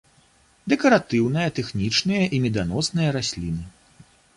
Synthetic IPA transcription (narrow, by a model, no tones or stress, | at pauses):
d̪ɛkɐɾat̪ɨwn̪ɐjɐt̪ɛxnʲit͡ʂnɨjɐʔimʲɛd̪anɔsnɨjɐɾasʲlʲinɨ